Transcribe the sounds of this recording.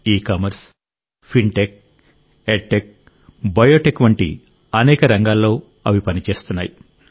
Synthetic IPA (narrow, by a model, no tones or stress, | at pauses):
iːkɐmɐɾs | pʰiɳʈek̚ | eʈːek̚ | bɐjoːʈekʋɐɳʈḭ | ɐnɛːkɐɾɐŋɡaːlːo̞ː | ɐʋipɐnit͡ʃe̞ːst̪unːa̰ːji